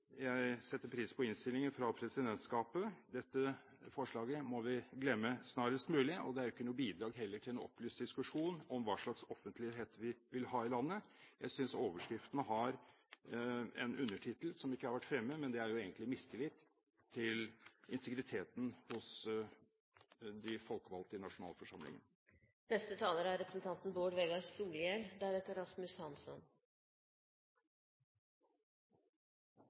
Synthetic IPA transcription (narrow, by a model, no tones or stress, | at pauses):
jæɪsɛt̪ːəɾpʰɾiːspʰɔɪnst̪ɪlɪŋənfɾɑpʰɾɛsɪd̪ɛnt̪skɑːpəd̪ɛt̪ːə | fɔʂɭɑːɡəmɔʋɪɡlɛmːəsnɑːɾəst̪mʉːlɪɔ̰d̪ɛæɾjʊʏɪkːənuːbiːd̪ɾɑːɡɦɛlːəʈʰɪlɛnɔ̰plyːst̪d̪ɪskʉʂuːnɔmʋɑːʂɭɑksɔfːənt̪ʰlɪɦeːt̪ʋɪʋɪlhɑːɪlɑnːəjæɪsʏnsoːʋəʂkɾɪft̪ənəɦɑɾ | ɛ̰nʉnːəʈʰɪt̪əl̩sɔmɪkːəhɑɾʋæʈfɾɛmːəmɛnd̪ɛæɾjʊeːɡənt̪lɪmɪst̪ʰɪlɪt̪ʰː | ɪlɪnt̪ʰəɡɾɪt̪ʰeːt̪n̩hʊs | d̪ɪfɔlkəʋɑlt̪əɪnɑʂʊnɑ̰ːlfɔʂɑmlɪ̰ŋə̰n | nɛst̪ət̪ʰɑːləɾəæɾɾɛpɾəsn̩t̪ʰɑnt̪nboːɖʋeːɡɑsuːljɛld̪ææɾɛt̪ːəɾɑsmʉshɑnsɔ̰n